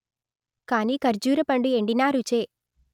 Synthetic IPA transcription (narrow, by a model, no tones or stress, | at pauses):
kaːniːkɐɾd͡ʒuːɾɐpɐɳɖueɳɖinaːɾut͡ʃeː